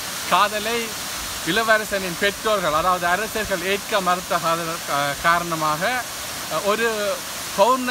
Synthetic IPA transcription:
kaːðɐlɐɪ | ʋɪlɐʋɐɾɐsɐnɪnpɛʈroːlɣɐɭɐðaːʋɐðɯɐɾɐsɐɾɣɐɭeːʈkɐmɐɾɯt̪ːɐkaːðɐlkaːɾɐɳɐmaːɣɐ | ɔɾɯ | pɐʋɾn

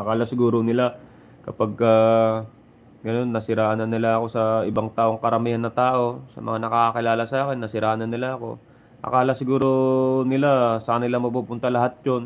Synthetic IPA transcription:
ʔɐkaːlasɪɡuːɾonɪla | kɐpaɡ̚ka | ɡɐno̞nːɐsɪɾaːʔnɐnːɪlaɐko̞sɐɪbaŋt̪aːʔo̞ŋkɐɾɐmiːhɐnːɐt̪aːʔo̞sɐmɐ̰ŋanɐkakakɪlaːlɐsaːkɪnːɐsɪɾaːnɐnːɪlaʔɐko̞̰ | ʔɐ̰kaːlɐsɪɡuːɾo̞nɪlasɐkɐnɐɪlamɐpupʊnt̪ɐlɐɦat̪̚d͡ʒon

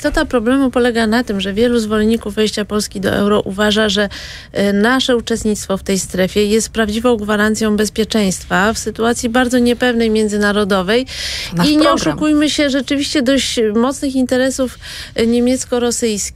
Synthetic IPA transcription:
ist̪ɔt̪apɾɔblɛmupɔlɛɡanat̪ɘmʐɛvʲjɛluzvɔlɲikuvːɛjɕt͡ɕapɔlskʲid̪ɔ̰ʔɛ̰wɾɔʔuvaʐaʐɛ | naʂɛut͡ʂɛst̪ɲit̪st̪fɔft̪ɛjst̪ɾɛfʲjɛjɛst̪̚pɾavd͡ʑivɔ̃w̃ɡvaɾant̪sʲjɔ̃w̃bɛspʲjɛt͡ʂɛj̃st̪fafsɘt̪uat̪sʲjibaɾd̪zɔɲɛpɛvnɛjmʲjɛnd̪zɘnaɾɔd̪ɔvɛjiɲɛɔʂukujmɘɕɛʐɛt͡ʂɘvʲiɕt͡ɕɛd̪ɔɕt͡ɕmɔt̪snɘxint̪ɛɾɛsuf | ɲemʲjɛt̪skɔɾɔsɘjskʲi

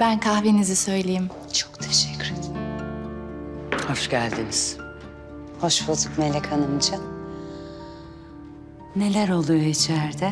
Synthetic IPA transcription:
bænkʰahvinizisø̞jlʲejim | t͡ʃʰokt̪ʰeʃɛ̥cʰːyɾet̪ʰ | hoʃɟælʲd̪iniz̥ | ho̞ʃbulˠd̪ukmelʲːɛkʰanɯmt͡ʃʰan | ne̞lʲæɾo̞lˠujit͡ʃʰæɾd̪ɛ

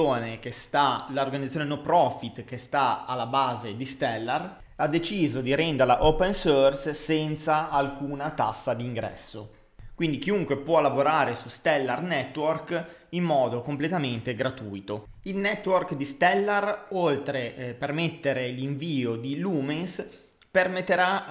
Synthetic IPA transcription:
oːnekest̪alaorɡanid̪asjonenopɾɔfit̪k̟est̪aalːabaːzed̪ist̪ɛlːar | ad̪ːet͡ʃiːzod̪iɾɛnd̪eɾlaʔopensorssɛnt̪saalkuːnat̪a̰sːad̪iːŋɡɾɛ̰sːo | kwind̪ik̟iuŋkwepwɔlːavoɾaːɾesust̪ɛlːarnɛt̪ːworkimːɔːd̪okomplet̪ament̪eɡɾat̪ujt̪o | ilnɛt̪ːworkd̪ist̪ɛlːarolt̪ɾepermet̪ːeɾeliɱviːod̪iluːmens | permet̪ːeɾa

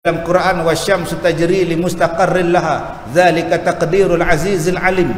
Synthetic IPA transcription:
alqʊɾʔaːnwaʃːamst̪ad͡ʒɾiːlɪmʊst̪aqɑrˤːɪlaɦaː | ðaːlɪkat̪ɑqd̪iːɾalʕaziːzalʕalim

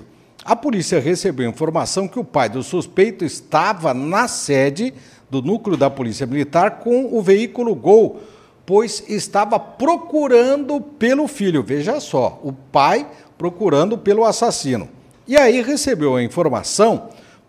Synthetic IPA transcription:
ɐpolisiɐʁesebewĩfoɾmasɐ̃w̃kɪʊpajd̪ʊsuspejt̪ʊɪst̪avɐnɐsɛd͡ʒɪ | d̪ʊnuklɪʊd̪ɐpolisiɐmilit̪aɾkõw̃ʊveikulʊɡow | pojzɪst̪avɐpɾokuɾɐ̃nd̪ʊpelʊfiʎʊveʒɐsɔ̰ʊpaj | pɾokuɾɐ̃nd̪ʊpelʊasasĩnʊ̰ | ɪaiʁesebewɐĩfoɾma̰sɐ̃w̃

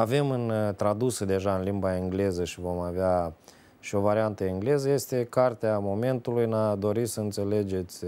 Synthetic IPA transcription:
ave̞mɨnt̪ɾad̪usəd̪e̞ʒaɨnlimbaɨŋɡle̞zəʃivo̞maveɪa | ʃio̞vaɾiant̪əɨŋɡle̞zəje̞st̪e̞kart̪eamo̞me̞nt̪ulujnad̪o̞ɾisəɨnt̪se̞le̞d͡ʒe̞t̪sʲ

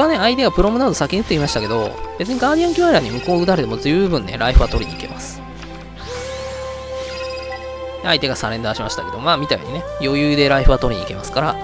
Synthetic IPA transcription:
βane̞ait̪e̞ɡapɯ̟ɾo̞mɯ̟nad̪osakʲiɲiɯt̪ːeimaɕi̥t̪ake̞d̪o̞̰b̥e̞t͡sɨɲ̟iɡaːd̪ʲijãŋkʲiβaɾaːɲ̟imɯ̟ko̞ːɯ̟t̪aɾet̪e̞mo̞zɨːbɯ̟̃nːḛɾʔaiɸɯ̟βat̪o̞ɾʲiɲ̟ike̞̰masɨ̥ | ait̪e̞ɡasaɾẽ̞nd̪aːɕimaɕi̥t̪ḁked̪o̞maːmʲit̪aḛɲ̟ine̞jo̞jɯ̟ːd̪e̞ɾaiɸɯ̟βat̪o̞ɾʲiɲ̟ike̞masɨ̥kaɾa

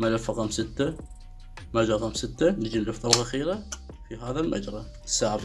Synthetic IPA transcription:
malafːaqɑːmsɪt̪ːa | mad͡ʒɾˤɑqaːmsɪt̪ːanɪd͡ʒinlʊft̪ˤɑlɣaxiːɾa | fiɦaːðalma̰d͡ʒɾˤɑ | sːaːʕb

